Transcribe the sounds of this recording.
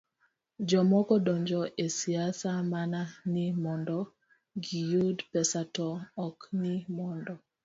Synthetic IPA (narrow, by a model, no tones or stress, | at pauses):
d͡ʒɔmɔkɔdɔɲd͡ʒɔʔesiasamananimɔndɔ | ɡijudpɛsatɔːknimɔndɔ